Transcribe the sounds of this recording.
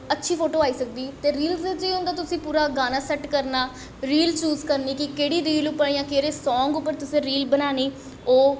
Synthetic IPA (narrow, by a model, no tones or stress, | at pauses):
ətːʃʰiːpʰoːʈoːaːiːsək̚d̪iːt̪eːɾiːlsɪd͡ʒeːõnd̪aːt̪ʊsĩːpuːɾaːɡaːnaːsɛʈkəɾnaː | ɾiːlt͡ʃuːzkəɾniːkɪkeːɽiːɾiːlʊpːəɳiːãːkeːɾeːsɔːŋɡʊpːəɾt̪ʊsẽːɾiːlbənaːniː | oː